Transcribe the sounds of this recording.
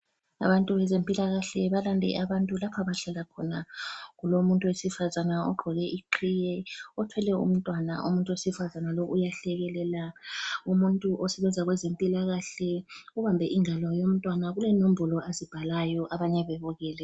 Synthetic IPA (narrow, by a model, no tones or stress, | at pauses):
a̰βantʼuβɛzempʼilaɣaɬɛβalandʱɛ̰ʔaβantʼulapʰaβaɬalakʰɔnaɣulomuntʼuwesifazanaɔɡ͡ǃʱɔɣɛʔiǃʰijɛɔtʰwɛlɛṵm̩tʼwanaʔṵmuntʼuwesifazanaloʔujaɬɛɣɛlɛlaumuntʼuʔɔsɛβɛnd͡zʱaɣwɛzempʼilaɣaɬɛuβambʱɛʔiŋalɔjom̩tʼwanaɣulɛnom̩bulɔʔazib̥ʱalajɔʔaβaɲɛβɛβɔɣɛːlɛ